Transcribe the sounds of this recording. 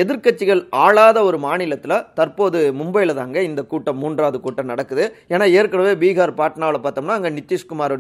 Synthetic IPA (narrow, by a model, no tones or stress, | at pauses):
ɛðɪɾkɐt͡ʃːɪɣɐɭaːɭaːðɐɔɾɯmaːnɪlɐt̪ːɪlɐt̪ɐɾpoːðɯmʊmbɐjɪlɐðaːŋɡɐɪnd̪ɐkuːʈːɐmuːndraːðɯkuːʈːɐnɐɽɐkːɯðɯeːnaːeːɾkɐɽɐʋeːbiːɣaːɾpaːʈnaːʋɭɐpaːɾt̪ɐmnːaːɐŋɡɐnɪt͡ʃ̪ːɪʂkʊmaːɾɐɽ